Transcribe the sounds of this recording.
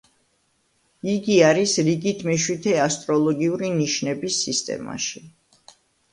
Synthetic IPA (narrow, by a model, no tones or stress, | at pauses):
iɡiaɾisɾiɡit̪ʰmɛʃwit̪ʰɛast̪ʼɾɔlˠɔɡiuɾiniʃnɛbisːist̪ʼɛ̰ma̰ʃi